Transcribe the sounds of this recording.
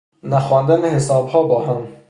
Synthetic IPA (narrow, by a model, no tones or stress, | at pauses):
næxɒːnd̪ænehesɒːbhɒːbɒːɦæm